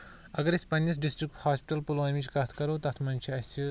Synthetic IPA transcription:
ɐɡɐɾispɐːnʲjɐs̬ɖisʈɾik̚ʈhaːspi̥ʈɐlpulaːmit͡ʃʰkɐt̪ʰkɐɾoːt̪ɐt̪ʰmɐnʲt͡ʃʰiɐsi

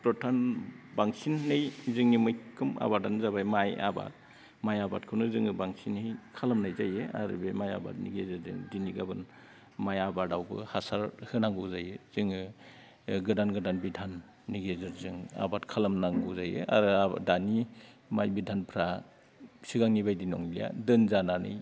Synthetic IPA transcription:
pɾɔtʰanbaŋsinːɯjzɯŋnimɯjkʰɯma̰baɾdanzabajmaja̰ba̰t̚ | majaba̰tkʰɯwnɯzɯŋɯbaŋsinhijkʰalamnajzajea̰ɾɯ̰bemaja̰ba̰t̚nḭɡezɯɾzɯ̰ŋdiniɡabɯn | majabadawbɯ̰hasaɾhɯnaŋɡɯzajɯz̥ɯŋɯ | ɡɯdanɡɯdanbidʱanː | iɡezɯɾzɯŋa̰batkʰalamnaŋɡɯzajɯ̰ʔa̰ɾɯadani | majbidʱanpʰɾa | siɡaŋnibajdinɔ̰ŋilija̰dɯnzananɯ̰j

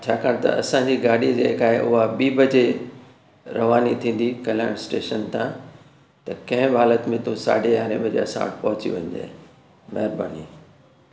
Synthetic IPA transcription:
t͡ɕʰaːkaːɽ̃t̪ɐ̰ɐsãɲd͡ʑiːɡaːɽid͡ʑḛːɦkaːɦeʔʊɦabiːbɐd͡ʑe | ɾɐʋaːnit̪ʰĩːn̆d̪ikɐl̤aɪɽ̃sʈeːʃənt̪ʰãː | t̪ɐkɐ̃ɦɪ̃bɦaːlət̪mẽt̪ũsa̰ːɖejaːɾḛbɐd͡ʑḛɐsã̰ʋ̰ʈpɐɦʊt͡ɕḭʋɐ̰̃ɲd̪ḛː | mɐɦɪɾba̰ːniː

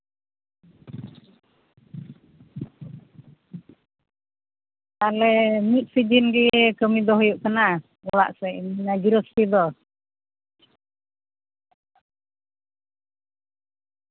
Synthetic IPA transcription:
alɛmit̪̚sid͡ʒinɡiɛkəmid̪ɔɦjuʔkəna | wawa̰ʔsɛʔinaɡiɾuspid̪ɔ

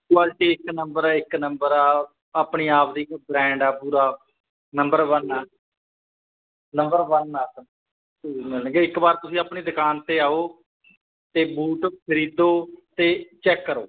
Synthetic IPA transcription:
aːd͡ʒʈ̪eːɪknəmbəɾɛːɪknəmbəɾɛː | aːpɳiːaːpʰd̪iːbɾɛ̃ːɳɖɛːpuːɾaː | nəmbəɾʋənɛː | nəmbəɾʋənaː | məlːɡeːɪkbaːɾt̪ʊsĩːaːpɳiːd̪əkaːnt̪eːaːoː | t̪eːbuːʈpʰəɾiːd̪oːt̪eːt͡ʃɛːkːəɾoː

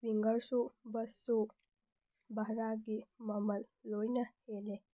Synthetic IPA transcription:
ʋiŋɡəɾsubəsu | baɦɾaɡiməməllojnahele

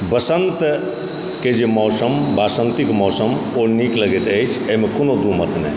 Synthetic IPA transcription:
bəsənt̪ | ked͡ʒemɔːsəmbasənt̪ikmɔːsəmonikləɡet̪əjt͡ʃʰeɦimekonod̪umət̪nɛ̰j

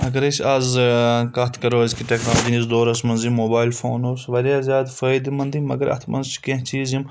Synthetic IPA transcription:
ɐɡɐɾet͡ʃʰaːzkɐt̪ʰkɐɾoːzʲkiʈeknaːd͡ʒinizd̪oːɾɐsmɐnzimːoːbaːjilfo̰ːnoːsʋɐɾjaːzʲjaːd̪fəːjd̪mɐnd̪imɐ̰ɡɐɾɐ̰t̪ʰmɐ̰nzt͡ʃʰi̥kẽɦt͡ʃʰiːzim

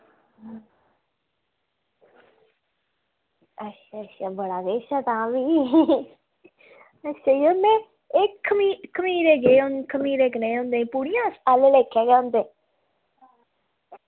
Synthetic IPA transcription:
ətʃaːətʃaːbəɽaːɡeːʃɛːt̪ãːʋiː | əʃeːjonẽː | ɪkʰːəmiːkʰːəmiːɾeːɡeːʊ̃nkʰəmiːɾeːkəneːõnd̪eːĩːpuːɽijãːsalleːkʰːɛːɡːʊ̃nd̪eː

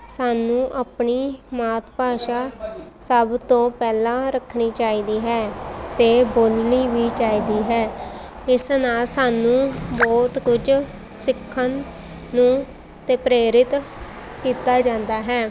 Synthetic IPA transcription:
saːnũːʔapɳiːmaːt̪paːʃaːsəbt̪õːpɛːlãːɾəkʰːɳiːt͡ʃaːiːd̪iːɦɛːt̪eːboːlniːʋiːt͡ʃaːiːd̪iːɦɛː | ɪsnaːlsaːnũːbɔːt̪kʊd͡ʒ | sɪkʰːənː | ũː | t̪eːpɾeːɾɪt̪ | kiːt̪aːd͡ʒãːnd̪aːɦɛː

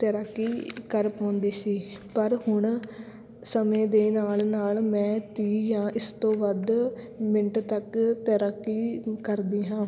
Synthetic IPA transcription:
t̪əɾəkːiːkəɾpãːnd̪iːsiːpəɾhʊɳ | səmẽːd̪eːnaːlnaːlmɛ̃ːt̪iːjãːʔɪst̪õːʋəd̪ | mɪnʈt̪əkt̪əɾəkːiːkəɾd̪iːɦãː

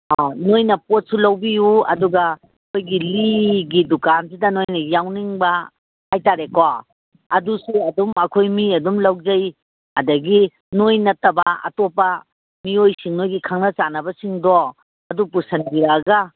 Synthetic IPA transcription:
anojnɐpot̚sulɐwbijuɐ̰duɡɐ | kʰojɡiliɡidukansidɐnojnɐjawniŋbɐ | hajtaɾeka | ɐdusuɐdumɐkʰojmiɐdumlɐwzɐj | ɐdɐɡi | nojnɐtːɐbɐɐ̰topɐ | miojsiŋnojɡikʰaŋnɐt͡ʃanɐbɐsiŋdɔ | ɐdup̬usɐnbiɾaːɡɐ

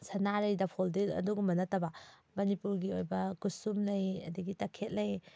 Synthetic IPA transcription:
sɐnaɾɐjdɐpʰoldilɐ̰duɡumɐnɐtɐbɐmɐnipuɾɡiojbɐkusumlɐjɐ̰dɐɡitɐkʰet̚lɐj

